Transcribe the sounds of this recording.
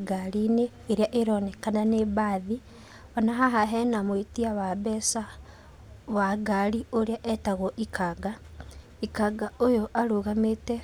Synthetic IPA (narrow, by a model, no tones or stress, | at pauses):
ɡalineːɾjaʔeɾoːnekananeβaði | onaɦaɦaɦenamwetiaβaβesa | βwaɡalioɾijaʔetaɣoʔikʰaɡa | ikaɡaojoʔaluɣamete